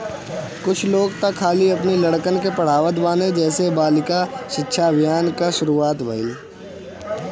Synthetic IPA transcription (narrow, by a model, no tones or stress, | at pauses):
kʊt͡ʃʰloːɡt̪ɐkʰːaːliɐpnilɐɽkənkepɐɽ̤aːʋət̪baːned͡ʒɛːsebaːlɪkaʃɪkːʃʰabɪjaːnkaʃʊɾuːaːt̪bʱəɪl